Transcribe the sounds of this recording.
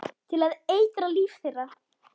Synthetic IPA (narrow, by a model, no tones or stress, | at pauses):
t̪ʰɪlaðeːjt̪ɾaliːfθejra